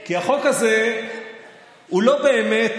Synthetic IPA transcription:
kiaχokaze | ulo̞beːme

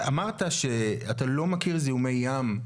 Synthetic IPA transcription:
amaʁt̪aʃe̞atalo̞makiʁziume̞jːam

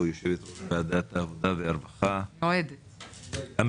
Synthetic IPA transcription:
joʃevet̪ʁotbaad̪at̪haːvod̪aveaɾbaχaoed̪ | am

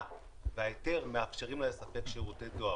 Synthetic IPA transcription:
veajete̞ʁmeafʃeʁimlajesape̞kʃeʁut̪ed̪oa

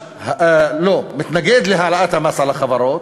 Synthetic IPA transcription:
hloːmɪt̪naɡed̪liɦalaʔat̪hamasalaxɑbɑɾˤɑːt̪̚

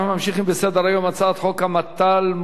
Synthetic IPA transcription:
mamʃiχimbesed̪eɾajo̞mat͡saːt̪χo̞kamat̪alm

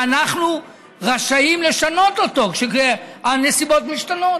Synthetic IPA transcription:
anaχnu | ʁaʃaimle̞ʃano̞toto̞kʃekeane̞sibot̪miʃtano̞t

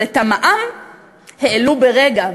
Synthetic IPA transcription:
et̪amaʔam | heːlubeʁeɡa

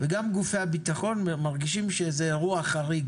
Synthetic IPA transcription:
veɡamɡufeabit̪aχo̞nmaʁɡiʃimʃezeʁuaχaʁiɡ

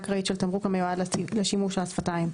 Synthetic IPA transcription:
kʁaitʃelt̪amʁukamejuadlleʃimuʃasfataim

